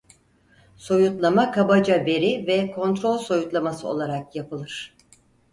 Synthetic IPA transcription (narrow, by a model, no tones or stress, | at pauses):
so̞jut̪lˠamakʰabad͡ʒave̞ɾivɛkʰo̞nt̪ɾo̞lʲso̞jut̪lˠamasɯo̞̰lˠaɾakjapʰɯlˠɯɾ̥